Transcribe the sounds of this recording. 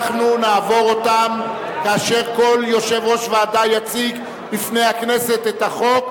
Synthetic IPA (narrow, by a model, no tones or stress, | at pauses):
χnunaːvo̞ʁo̞tam | kaːʃe̞ʁko̞ljo̞ʃe̞vʁo̞ʃveaːdajat͡sik | bifne̞jhakne̞se̞t̪et̪haχo̞k̚